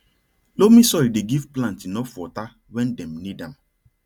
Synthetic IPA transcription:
lomĩsɔjideɡivplãntĩnɔfɔta | wɛ̃ndɛ̃mnidãm

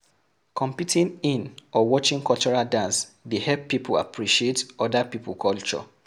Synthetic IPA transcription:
kʰɔ̃mpitʰĩnĩnɔwɔt͡ʃĩŋkɔlt͡ʃɔɹaldãnsdehɛpːipʰula̰pʰɹiʃietɔdapipʰulkʰɔlt͡ʃɔ̰

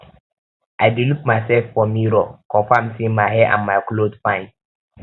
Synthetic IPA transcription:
aɪdilup̚masɛlfːɔmĩɾɔkʰɔ̃fãmsĩmaɦɛʔã̰nmaɪklodfãɪ̃n

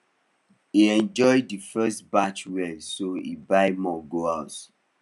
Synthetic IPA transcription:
iɛ̃nd͡ʒɔjdifɛstbat͡ʃwɛsoḭbaɪmɔɡoaʊt

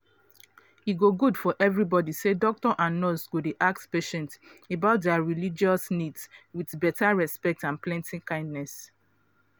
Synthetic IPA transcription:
iɡoɡudfɔʔɛvɹibɔdisedɔk̚tɔʔãnːɔsɡodeʔak̚tpeʃɛ̃ntebaʊt̚dɛaɹilid͡ʒɔsnidswiθbɛtaɹɛspɛk̚tãnplɛ̃ntʰĩŋkãɪ̃ndnɛs

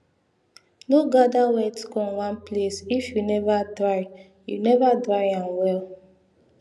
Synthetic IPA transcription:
noɡadawɛtkɔ̃nwãnplesifjunɛvadɾaɪ | junɛvadɹaɪãnwɛl

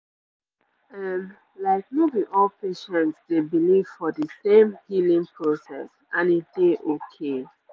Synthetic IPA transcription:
ɛm | laɪk̚mevĩʔɔlpeʃɛ̃ntsdebiliv̥fɔdəsẽmhilĩŋpʰɹosɛ̰s | ãnit̚d̥eʔokʰe

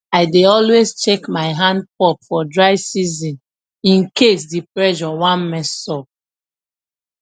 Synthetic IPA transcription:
aɪdeɔlwezt͡ʃekmaɪɦãnd̚pɔpfɔdɹaɪsizĩn | ĩnkes̬dipɹɛʒɔwãnmɛssɔ

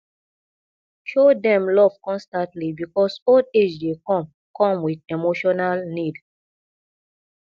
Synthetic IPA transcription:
ʃodɛ̃mlɔv̥kɔ̃nstãntlibikɔsoded͡ʒdekɔ̃m | kʰɔ̃mwidemoʃɔnalnid

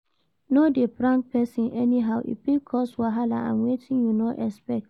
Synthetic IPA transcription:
nodebɹãŋk̚pɛsĩnʔɛniɦaʊʔḭpikʰːɔswaɦala̰ã̰nwetʰĩnjunɔʔɛspɛk̚t

